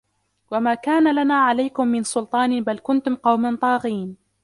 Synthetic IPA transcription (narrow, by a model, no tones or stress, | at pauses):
wamaːkaːnalanaːʕalajkʊmːɪnsʊlt̪ˤɑːnbalkʊnt̪ʊmqɑwmant̪ˤɑːɣiːn